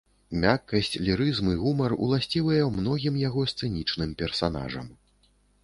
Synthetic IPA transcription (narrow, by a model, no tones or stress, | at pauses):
mʲakːɐsʲt͡sʲlʲiɾɨzmɨɣumɐrṵlˠasʲt͡sʲilˠɐjɐmnɔɣʲimjaɣɔst̪sɨnʲit͡ʂnɨmpʲɛrsan̪a̰ʐɐ̰m